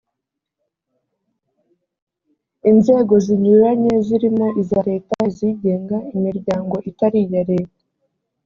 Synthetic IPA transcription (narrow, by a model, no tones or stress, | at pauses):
inze̞ːɡo̞ziɲuɾaɲe̞ziɾimo̞ʔizaɾe̞ːtaiziɟe̞ːŋɡaimiɾɟaːŋɡo̞ʔitaɾijaɾe̞tḁ